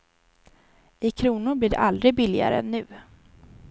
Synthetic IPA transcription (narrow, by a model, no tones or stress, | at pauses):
ɪkʰɾuːnʊɾbliːɖɛ̰ʔald̪ɾɪɡ̚bɪlːɪa̰ɾəɛ̰nːʉ̟ː